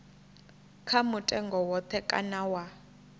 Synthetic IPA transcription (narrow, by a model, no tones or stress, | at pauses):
kʰamutʼɛŋɡɔwɔt̪ʰɛkʼa̰nawa